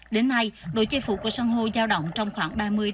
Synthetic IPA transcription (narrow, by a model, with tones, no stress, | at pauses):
ɗe˨˦nːa˧jɗo̰˧˨˦t͡ɕe˧fṵ˧˩ku˧˩əsaː˧ŋɦo˧zaː˧wɗə̰˧˨wŋ͡mt͡ɕɔ˧wŋ͡mxwaː˧˩ŋɓaː˧mɨ˧əj